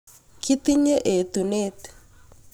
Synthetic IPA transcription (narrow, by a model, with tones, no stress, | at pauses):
ki˦t̪i˦ɲe˦ʔe˨t̪u˨ne˦t̪